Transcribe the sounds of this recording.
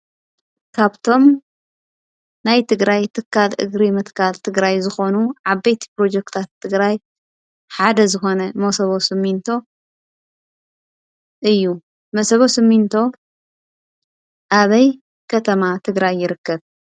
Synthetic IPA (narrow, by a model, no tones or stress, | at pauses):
kʰaβt̪ʰo̞m | najt̪ʰɨɡɾajt̪ʰɨkʰːalʔɨ̰ɡɾimɨt̪kʰalt̪ʰɨɡɾajzɨxo̞nuʕaβːejt̪ʰi̥pɾo̞d͡ʒekt̪ʰat̪ʰːɨɡɾaj | ħad̪ɐzɨxo̞nɐmɐsɐβo̞sɨmːint̪ʰo̞ | ʔɨjːu | mɐsɐβo̞sɨmːint̪ʰo̞ | ʔaβɐj | kʰɐt̪ʰɐmat̪ʰɨɡɾajːɪɾɨkːɐβ